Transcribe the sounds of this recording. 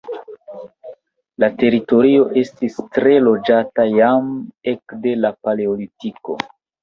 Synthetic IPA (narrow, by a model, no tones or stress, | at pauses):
late̞ɾito̞ɾio̞ʔe̞stistɾe̞lo̞d͡ʒatajame̞kde̞lapaleolitiko̞̰